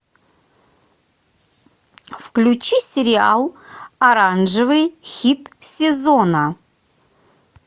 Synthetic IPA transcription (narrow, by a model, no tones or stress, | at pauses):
fklʲut͡ɕisʲɪɾʲɪa̰lˠɐɾanʐɨvɨjxʲit̪sʲɪzonə